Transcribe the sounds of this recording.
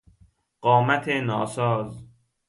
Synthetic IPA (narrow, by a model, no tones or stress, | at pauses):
ɢ̥ɒːmæt̪ʰenɒːsɒːz